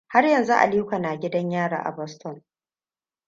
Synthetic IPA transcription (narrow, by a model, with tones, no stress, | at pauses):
ha˦rjɐ˨nzu˦ʔa̰˨li˦kʷa˨naː˨ɡʲɪ˦dɐ˦ɲjaː˦˨ɾa̰ː˨ʔa̰˨bɔ˦stɔ˦˨n